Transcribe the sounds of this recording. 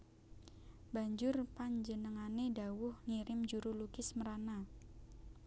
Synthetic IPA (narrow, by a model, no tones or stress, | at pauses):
b̥aɲd͡ʒʊrpaɲd͡ʒənəŋanedawʊhŋiɾɪmd͡ʒuɾulukɪsməɾana